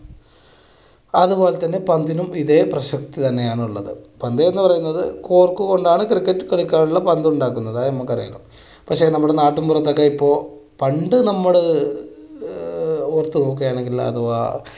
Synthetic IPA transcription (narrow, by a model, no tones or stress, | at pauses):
ɐðupo̞ːlet̪ːɐnːe̞pɐnd̪inumiðeːprɐɕɐkt̪it̪ɐnːe̞jaːɳuɭːɐðɨ̰pɐnd̪ɐenːɨpɐrɐjunːɐðɨko̞ːrkːɨko̞ɳɖaːɳɨkrikːɐtːɨkɐɭikʲːaːnuɭːɐpɐnd̪ɐuɳɖaːkːunːɐðaemːɐkːɐrijɐ̰lɐ̰m | pɐkʂe̞ːnɐmːuɽenaːʈːumpurɐt̪ːokːɐipːo̞ː | pɐɳɖɨnɐmːɐɭɨ | ort̪ːɨok̬ːejaːɳe̞ŋɡilɐ̰ðua̰